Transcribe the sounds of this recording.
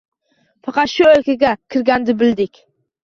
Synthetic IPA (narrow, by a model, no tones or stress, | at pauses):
fɑqɑt̪ʃʊolkʲaɡʲakʲʰɪɾɡʲand̪ɪbɪld̪ɪkʲ